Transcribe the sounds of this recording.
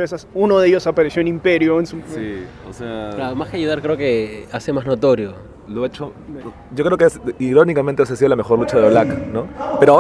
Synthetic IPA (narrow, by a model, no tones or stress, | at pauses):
es̬asunoðeʝo̞sapaɾesjoenimpe̞ɾjoensusi | oseaamaskeaʝuðaɾkɾe̞oke̞asemazno̞t̪o̞ɾjo̞ | loet͡ʃo | ɟ͡ʝokɾeokeasiɾo̞nikament̪eos̬asiðolamexo̞ɾlut͡ʃaðeolakno̞pe̞ɾoa